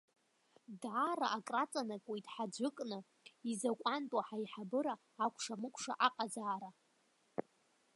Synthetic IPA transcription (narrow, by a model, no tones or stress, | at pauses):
dʕara̰ʔakʼrat͡sʼanakʷʼejtʼħad͡ʒʷʊkʼnɨ | izakʷʼantʼwaħaiħabɨɾaː | kʷʰʂamɨkʷʰʂa̰ʔaqʼazaːɾa